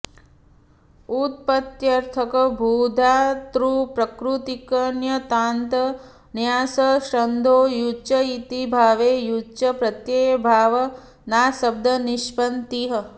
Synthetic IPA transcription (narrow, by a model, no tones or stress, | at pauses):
ut̪̚pɐt̪jɐɾt̪ʰɐkɐbʱuːd̪ʱaːt̪ɾuːpɾɐkɾut̪ikɐnjɐt̪aːnt̪ɐ | njaːsɐʃɾɐnd̪ʱoːjut͡ʃɐit̪ibʱaːʋeːjut͡ʃɐpɾɐt̪jeːbʱaːʋɐ | naːsɐb̚d̪ʱɐniʃpɐnt̪iɦɐ